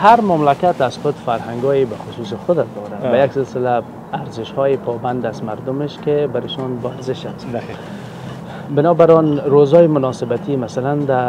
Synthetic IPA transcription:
haɾmamlakat̪azxʊd̪faɾhaŋɡɔjibaxʊsusɪxʊd̪ad̪ɔɾabajaksɪlsɪlaː | ɾzɪʃhɔːjipʰɔband̪azmaɾd̪ʊmeʃkebaɾɪʃɔnbɔaɾzɪʃas | bɪnɔbaɾɔnɾozɔjimʊnɔsɪbat̪ʰimasaland̪a

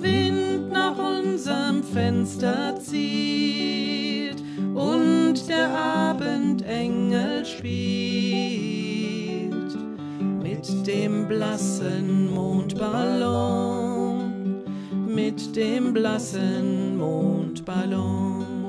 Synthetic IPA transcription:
vɪntnaːχʔʊnzəʁəmfɛnstɐt͡siː | lt | ʔʊntd̥eːɐʔaːbəntʔɛŋəlʃpiː | llt | mɪtd̥eːmblasənmoːntb̥alɔ | mɪtd̥eːmblasənmoːntb̥alɔŋ

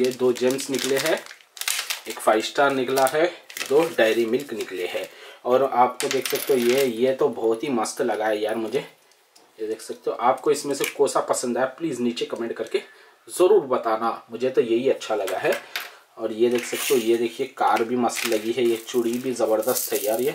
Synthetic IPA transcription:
jed̪oːd͡ʒeːmsnɪkleɦɛ | eːkfʰaːɪsʈaːɾnɪklaɦɛd̪oːɖaːɪɾimɪlknɪkleɦɛːɔːɾaːpkod̪eːkʰsɐk̚t̪eɦɛ̃jejet̪obʱɔːt̪ɦimɐst̪lɐɡaɦɛjaːɾmʊd͡ʒʱe | jed̪eːkʰsɐk̚t̪eõʔaːp̚koɪsmẽsekoːsapɐsə̃nd̪aːjepliːzniːt͡ʃekɐmẽːɳʈkɐɾke | zɐɾuːɾbɐt̪aːnamʊd͡ʒʱet̪ojeɦiɐtːʃʰalɐɡaɦɛ | ɔːɾjed̪eːkʰsɐk̚t̪eɦjed̪eːkʰiekaːɾbʱimɐst̪lɐɡiɦɛjet͡ʃʊɽibʱizɐbəɾd̪əst̪ɦɛjaːɾje

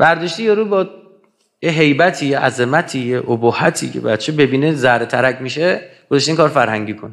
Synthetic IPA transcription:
bæɾd̪ɒːʃt̪ijeɾuːbɒː | jeɦe̞jbæt̪ʰiːjeʔæzemæt̪ʰiːjeʔobohæt̪ʰḭcʰḛbæd̪̚t͡ʃʰebe̞biːnezæhɾet̪ʰæɾæcmiʃeɡ̥ozɒʃt̪eiŋkɒːɾfæɾhæŋɟiːkʰon

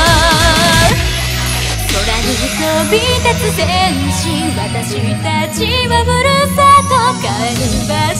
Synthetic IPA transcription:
od̪aɲiisobʲit̪at͡sɨb̪en | ɕĩ | βat̪aɕit̪at͡ɕiβaɡɯɾɯpat̪okaeɾiba

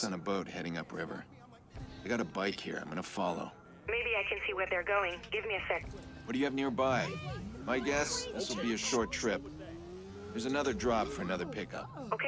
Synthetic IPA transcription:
n̩əboʊt̚hɛɾɪ̃ŋʌ̰pɹɪvə̰˞ | aɪɡɑɾəbaɪkhḭɹa̰ɪ̃mɡʌnəfɑlˠo̰ʊ | meɪbiaɪkʰɨ̃nsiwə˞ðə˞ɡoʊɪ̃ŋɡ̥ɪvmiɨsɛkwʌdɨjɨɨvnɪɹbaɪbaɪɡɛsðɪswəl̩ˠbiɨʃɔɹtʰɹ̥ɪp̚ | ðə˞zɨnʌðə˞dɹɑpfə˞ɨnʌðə˞pʰɪkʌ̰p̚oʊkʰe

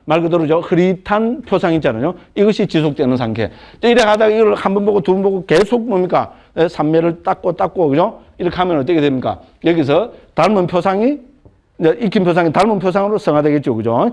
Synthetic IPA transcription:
maɭɡɯdɯɾɯd͡ʑohɯɾip̚tʰanpʰjosʰaŋit͡ɕ͈anaɲoiɡʌɕʰit͡ɕisʰok̚t͈wenɯns̬ʰaŋtʰe̞̰d͡ʑeiɾekadaɡaiɡʌɭhanbʌnboɡotubʌnboɡokesʰok̚momɲik͈a | nesʰamːeɾɯɭt͈ak͈ot͈ak͈okɯd͡ʑo | iɾʌkʰɦamjʌnʌt̬͈ːʌkʰedwemɲik͈a̰ | jʌɡis̬ʰʌtaɭmɯnpʰjosʰaŋi | d͡ʑeʔikʰimpʰjos̬ʰaŋit̪aɭmɯnpʰjos̬ʰaŋɯɾosʰʌŋɦadwe̞ɡet̚t͡ɕ͈okɯd͡ʑo

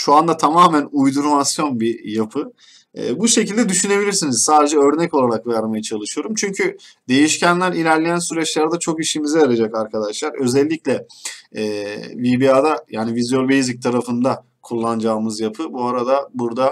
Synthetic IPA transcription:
ʃuand̪at̪ʰamaːmænujd̪uɾmasjo̞nbijapʰɯ | ɛ̰ːbuʃe̞cilʲd̪ɛd̪yʃyne̞bilʲiɾsiniz̥saːd̪e̞d͡ʒɛø̞ɾnɛco̞lˠaɾakvɛɾmajat͡ʃʰalˠɯʃɯjo̞ɾumt͡ʃʰyɲcʰyd̪e̞jiʃcænlʲæɾilʲæɾlʲejænsyɾɛt͡ʃlʲˠæɾd̪at͡ʃʰo̞kiʃimizɛaɾad͡ʒakaɾkʰad̪aʃlˠaɾø̞zɛlʲːiclʲɛɛvibiad̪ajaːnivizjolbejzic̚t̪ʰaɾafɯnd̪a | kʰulˠːand͡ʒaːmɯzjapʰɯbuaɾad̪abuɾd̪a

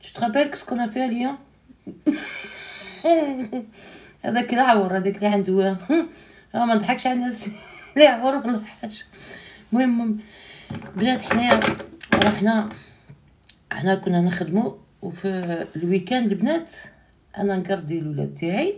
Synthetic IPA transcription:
t̪ə̥t̪qɑbælkə̥skʊnːæfihæljæ | hæ̰d̪ækəlʕawɑɾˤhæd̪ikliʕand̪wæ | æmænd̪ħɑkʃʕalnːæsliʕwɑɾlħaʃ | mʊhəmːʊm | bnæt̪əħnæ | ɾɑħnæ | ɑ̰ħnækʊnːænəxd̪mu | wfilwikænlbnæt̪ | ʔæ̰nænɡɑɾˤd̪jælwlæ̰d̪̚t̪aʕi

